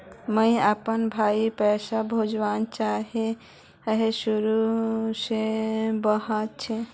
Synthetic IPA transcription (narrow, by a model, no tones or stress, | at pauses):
məɪapənbʱaipəsabʱod͡ʒʋant͡ʃaɦe | əɦesuɾusebəɦat̪̚t͡ʃʰe